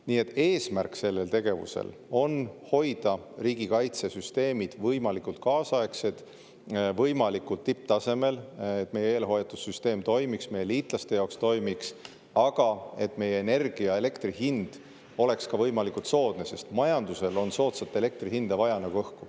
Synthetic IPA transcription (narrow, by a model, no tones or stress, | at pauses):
niːe̞t̪ːˑe̞ːsmærkse̞lːelt̪e̞ɡ̥e̞vṵsḛl | o̞nho̞jd̪̥ɑriːɡ̥ikɑjt̪se̞syst̪e̞ːmid̪̥vɤjmɑlikult̪̚kɑːsɑe̞kse̞d̪̥ | vɤjmɑlikult̪ːip̚ːt̪ɑse̞me̞let̪ːme̞jeeːlɦo̞jɑt̪ːˑud̪̥syst̪e̞ːmt̪o̞jmiksme̞jeliːt̪ˑlɑst̪e̞jɑokst̪o̞jmiks | ɑɡ̥ɑe̞t̪ːˑme̞jːeːne̞rɡ̥iɑe̞le̞kt̪rihind̪̥ | o̞le̞kskɑvɤjmɑlikːult̪so̞ːd̪̥nese̞st̪mɑjɑnd̪̥use̞lo̞nso̞ːt̪sɑt̪ːˑe̞le̞k̚t̪riɦind̪̥ɑvɑjɑnɑɡuɤhku